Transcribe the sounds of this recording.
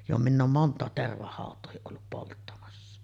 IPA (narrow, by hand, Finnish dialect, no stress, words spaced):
jo minˑ oːm montˑɑˑet terʋɑhɑˑotˑoːhiʔ ʔolːup poltːɑmɑsːɑ